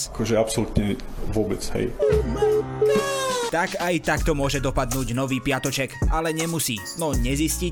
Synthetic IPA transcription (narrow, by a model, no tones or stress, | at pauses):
akɔʒɛapsɔlut̪ɲɛ | ʋʊɔbɛt͡shɛ̰j | t̪akajt̪akt̪ɔmʊɔʒɛd̪ɔpad̪nuːɟnɔʋiːpɪat̪ɔt͡ʃɛkalɛɲɛmusiː | nɔɲɛzisci